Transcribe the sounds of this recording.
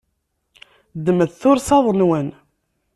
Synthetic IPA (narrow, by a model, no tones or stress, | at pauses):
d̪ːəməðθʊɾsɑðˤənwən